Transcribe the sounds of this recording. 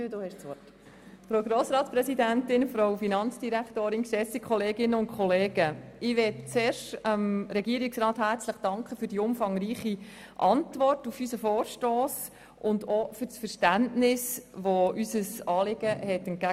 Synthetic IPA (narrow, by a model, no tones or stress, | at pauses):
duhɛʃɔ | fɾoʊɡɾoːsɾɑːtspɾɛsidæntɪnfɾowfinɑnt͡sd̥iɾæktoːɾɪnkʃɛsikʰχɔleːɡɪnːəʊntkχɔleːɡ̥əɪʋɛtt͡seːɾʃtəmɾɛɡiəɾɪksɾɑːthæɾt͡sləχd̥ɑŋkχəfyːɾdiʊmfɑŋɾiːχi | ʔɑntʋɔrtufysəfoːɾʃtoːs | ʔʊndofyɾsfəɾʃtæntnɪsʋoysəsɑːlɪɡ̥əɦɛtənt̚ɡæ